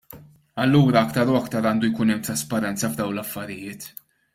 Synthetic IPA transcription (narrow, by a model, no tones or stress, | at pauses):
ɐlːuːɾɐɐkt̪ɐɾuɐkt̪ɐɾɐːnd̪ujkʊnɛmːt̪ɾɐspɐɾɛnt͡sɐvd̪ɐwlɐfːɐɾɪjɪːt̪